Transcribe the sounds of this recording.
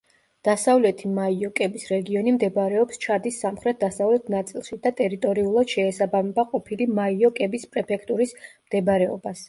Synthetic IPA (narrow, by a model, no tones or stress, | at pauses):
d̪̥asavlɛt̪ʰimaiɔkʼɛbisɾɛɡiɔnimd̪ɛbaɾɛɔpst͡ʃʰad̪isːamχɾɛt̪̚d̪asavlɛt̪ʰnat̪sʼilˠʃid̪̥at̪ʼɛɾit̪ʼɔɾiulˠad̪̥ʃɛːsabamɛbaqʼɔpʰilimaiɔkʼɛbispʼɾɛpʰɛkʰt̪ʼuɾismd̪̥ɛbaɾɛɔ̰bas